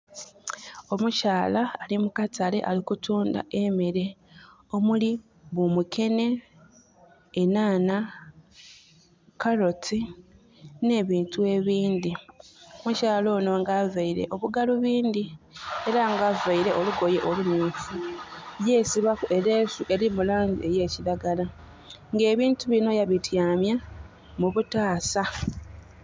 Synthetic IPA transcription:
o̞mucaːlaːlimukatʰale̞̰ʔalikutuːnda̰ʔe̞meɾe̞ | o̞muli | βumukʰe̞ne̞ | naːna | kaɾo̞tʰi | ne̞ːβiːntue̞βiːnd̪imucaːlo̞ːno̞ŋɡaːvaiɾe̞̰ʔo̞βuɡaluβiːnd̪ie̞ɾaŋɡavaiɾe̞ʔoluɡo̞je̞ʔo̞lumuːfuje̞ːsiβakuʔe̞ɾeːsuʔe̞ɾimulaːɲɟḭe̞je̞ːciɾaɡala | ŋɡe̞ːβiːntuβino̞jaβitjaːmja | muβutaːsa

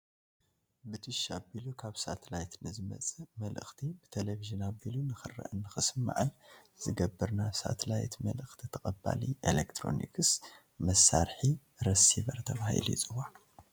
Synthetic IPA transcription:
bɨt̪ʰɨʃabilukʰaβsat̪ʰɐlajt̪nɨzɨmɐ̰t͡sʼɨmɐlɨ̰xt̪ʰibɨt̪ʰeleviʒɨnabilunɨxɨrːɐ̰ʔɨnːɨxɨsɨmːa̰ʕɨnz̥ɨɡɐbːɨɾnaβsa̰t̪ʰlajt̪mɐ̰lɨxt̪ʰit̪ʰɐkʼɐba̰liʔelekt̪ʰɾo̞̰nḭkʰɨs | mɐsːa̰ɾħi | ɾɐsiβɐɾt̪ʰɐβahḭlut͡sʼɨwa

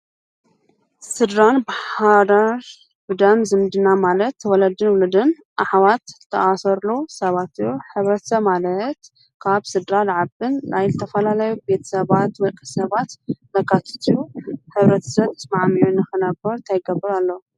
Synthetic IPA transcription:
sɨd̪ɾanbaħad̪aɾ | bɨd̪ɐmzɨmd̪ɨnamalɐt̪wɔlɐd̪ɨnwʊlɨd̪ɨn | ʔaħwat̪ʰː | ɐ̰ʔasɐɾlosɐβat̪ɨjoħɨβɾɐt̪ʰɐ̥sɐβmalɐt̪ | kʰaβsɨd̪ɾalʕabɨnlajlɨt̪ʰɐfɐlalɐjube̞t̪ʰɐ̥sɐβat̪wɐkʼɨsɐβat̪nɐkʰat̪ʰɨ̥t̪ʰuħɨβɾɐt̪ʰɐ̥sɐβt̪ːɐsmaʕmijunɨxɨnɐbɐɾt̪ʰajɡɐbːɨɾalːo

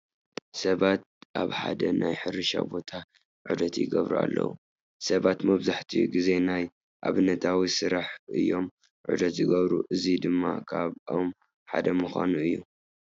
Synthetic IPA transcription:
sɐβat̪̚ʔaβħa̰d̪ɐnajħɨɾɨʃa̰bo̞t̪ʰa | ʕud̪ɐt̪jɪɡɐβɾua̰lːɐ̰wu | sɐβat̪mɐβzaħt̪ʰijṵɡize̞naj | ʔaβɨnɐt̪ʰawisɨɾaħʔɨ̰jːo̞m | ʕṵd̪ɐt̪zɨɡɐβɾṵʔɨzid̪ɨmːa̰kʰaβom | ħa̰d̪ɐmuxʷa̰nuɨjːu

